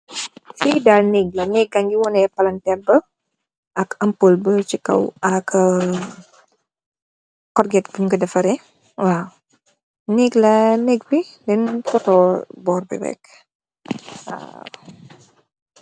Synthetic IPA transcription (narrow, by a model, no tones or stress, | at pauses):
fidalniɡlɐnɛɡ̚ɐŋɡiwɔnɛpɐlɐntɛbə | ʔɐkɐmpolbət͡ʃikɐ̰wɐk | kɔrɡɛtbəɲuɡɐdɐfɐɾɛ | wa | niɡlɐnɛɡbidɛnfɔtɔbɔːrbḭɾɛ̰k | wa̰